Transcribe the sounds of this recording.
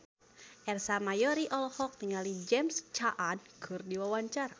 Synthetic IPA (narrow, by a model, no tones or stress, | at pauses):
ʔɛrsamajɔɾiʔɔlɔhɔk̚t̪əŋalid͡ʒɛmst͡ʃaʔadkʰɨrdiwawaɲt͡ʃar